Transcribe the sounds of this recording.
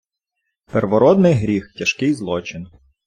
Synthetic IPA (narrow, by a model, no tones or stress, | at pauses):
perʋɔɾɔd̪nɪjɦɾʲixtʲɐʃkɪjzlˠɔt͡ʃɪn